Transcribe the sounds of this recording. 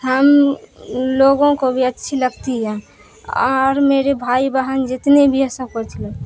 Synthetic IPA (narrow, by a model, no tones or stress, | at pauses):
ɦəm | loɡõkobʱiətːʃʰiləɡt̪iɦɛ̃ | ɔɾmeɾebʱaibaɦənd͡ʒet̪nebʱiəsəkɔɾt͡ʃʰilə